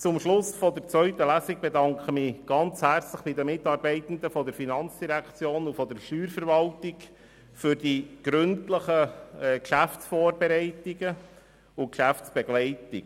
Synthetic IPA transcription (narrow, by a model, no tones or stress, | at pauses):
t͡sʊmʃlʊsfɔdəɾt͡svœʏtəlæsiɡ̚b̥edɑŋkχəmɪːɡ̥ɑnt͡shært͡sləχb̥ɪdəmɪtɑːɾbɛɪt̪ən̩d̪əfɔdəɾfinɑnt͡sd̥iɾækt͡sjoːnufɔd̪əɾʃtyːɾfəɾvɑltɪk | fʏɾd̥iɡ̥ɾʏntləχəɛːkʃæft͡sfoːɾbɛɾɛɪtiɡə | ʊkʃæft͡sb̥ɛɡ̥lɛɪtɪk